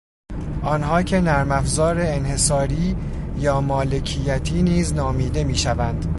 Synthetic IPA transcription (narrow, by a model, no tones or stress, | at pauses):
ʔɒːnɦɒːcʰe̞næɾmæfzɒːɾe̞ːnhe̞sɒːɾiː | jɒːmɒːle̞cʰijæt̪ʰiːniːznɒːmiːd̪e̞miːʃævænd̪̥